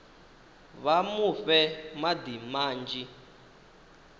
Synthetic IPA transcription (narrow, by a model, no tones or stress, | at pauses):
βamuɸɛmad̪imaːnd͡ʒi